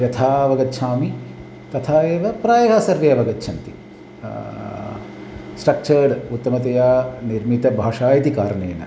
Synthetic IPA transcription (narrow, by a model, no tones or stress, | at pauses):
jɐt̪ʰaːɐʋɐɡɐt̪ːʃʰaːmi | t̪ɐt̪ʰaːeːʋɐpɾaːjɐɦaːsɐɾʋejɐʋɐɡɐtːt͡ʃʰɐnt̪i | sʈɾɐk̚t͡ʃɐɖut̪ːɐmɐt̪ɐjaːniɾmit̪ɐbʱaːʂaːjɐt̪ikaːɾɐɳeːnɐ̰